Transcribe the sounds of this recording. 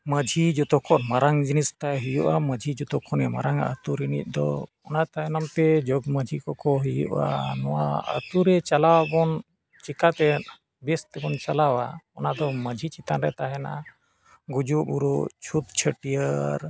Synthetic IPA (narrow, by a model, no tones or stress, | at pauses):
məd͡ʒʱid͡ʒɔt̪ɔkʰɔnmaɾaŋd͡ʒinist̪ajɦijuʔaməd͡ʒʱid͡ʒɔt̪ɔkʰɔnɛma̰ɾaŋə̰t̪uɾinḭt̪̚ˀd̪ɔ̰ | ɔnat̪aɦɛnamt̪ɛd͡ʒɔɡməd͡ʒʱikɔkɔɦijṵʔa̰nɔwaə̰t̪uɾɛt͡ʃalawabɔn | t͡ʃikat̪ɛt̪ | bɛst̪ɛbɔnt͡ʃalawa̰ɔnad̪ɔməd͡ʒʱit͡ʃit̪anɾɛt̪aɦɛna̰ | ɡud͡ʒubuɾuʔt͡ʃʰut̪̚t͡ʃʰəʈijəɾ